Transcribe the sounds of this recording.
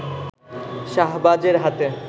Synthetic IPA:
ʃaɦbad͡ʑeɾɦat̪e

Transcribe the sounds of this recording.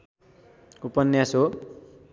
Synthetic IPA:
upʌnːjaso

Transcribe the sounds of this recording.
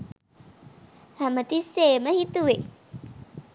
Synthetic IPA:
hæmət̪isːeːməhit̪uʋe

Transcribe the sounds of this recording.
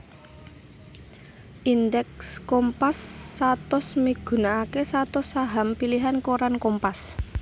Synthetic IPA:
ʔind̪ɛkskɔmpasːat̪ɔsmiɡ̥ṳnaːkesat̪ɔsaɦampiliɦankoɾankɔmpas

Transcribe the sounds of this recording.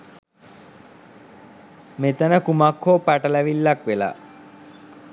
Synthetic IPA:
met̪ənəkumakʰːoːpæʈəlæʋilːakʋela̰ː

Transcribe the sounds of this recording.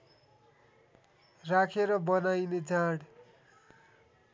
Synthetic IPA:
rakʰeɾʌbʌnajned͡zaɽ

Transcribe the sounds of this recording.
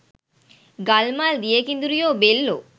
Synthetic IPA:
ɡɐlmaːld̪ijekind̪uɾujoːbelːo̰

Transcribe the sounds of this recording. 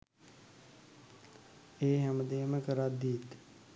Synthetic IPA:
eːɦɛməd̪eːməkəɾad̪iːt̪

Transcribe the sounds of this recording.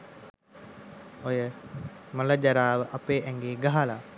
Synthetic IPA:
ojəmələd͡ʒaɾaːʋəʔɐpeːʔɛŋɡeːɡaɦala

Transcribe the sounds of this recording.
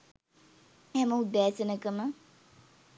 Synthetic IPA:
hɛməud̪æːsənəkənə

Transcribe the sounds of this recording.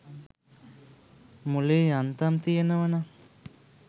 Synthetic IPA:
muleːjant̪amt̪ijenəʋana

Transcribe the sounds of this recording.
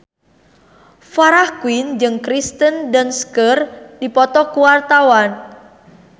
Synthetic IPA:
faɾahkwind͡ʒɨŋkɾist̪əndanskərdipɔt̪ɔkuwart̪awan

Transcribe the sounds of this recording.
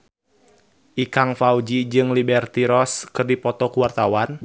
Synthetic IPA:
ʔikaŋfaud͡ʒid͡ʒɨŋlibɛrt̪iɾɔskɨrdipɔt̪ɔkuwart̪awan

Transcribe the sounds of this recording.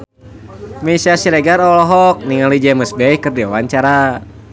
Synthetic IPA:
misiasiɾɛɡaɾɔlɔɦɔk̚niŋalid͡ʒeməsbɛikɨrdiawaɲt͡ʃaɾa

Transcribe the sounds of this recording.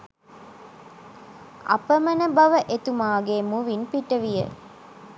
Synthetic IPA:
ɐ̰pəmənəbɐʋəʔet̪umaːɡemuʋinpiʈəʋijə̰

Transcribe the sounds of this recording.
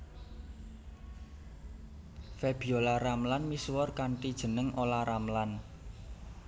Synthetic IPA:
feb̥iolaramlanmiswɔrkaɳʈid̥ʒ̥ə̤nəŋʔolaɾamlan

